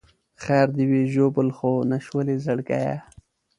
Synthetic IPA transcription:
xaːɾd̪iweʒobəlxonaʃwəlezaɽka̰ja̰

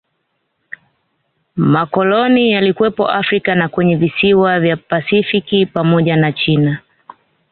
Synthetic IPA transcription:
makɔlɔnijalikwɛpɔ̰ʔafɾikanakwɛɲɛvisiwavjapasifikipamɔʄanat͡ʃina

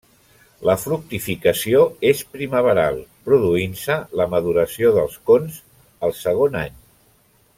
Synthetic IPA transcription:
ləfɾuk̚t̪ifikəsioespɾiməβ̞əɾalˠpɾuðuinsələməðuɾəsioðəlˠskonz | əlˠsəɣ̞ona̰ɲ

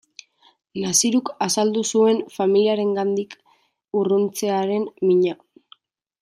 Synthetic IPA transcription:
nasiɾukasald̪usue̞nfamiliaɾe̞ŋɡand̪ik | urunt͡se̞aɾe̞nmiɲa

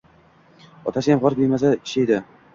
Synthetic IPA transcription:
ɒt̪ʰasɪjamʁɒɾbeɾmas̬aɪʃajd̪ɪ

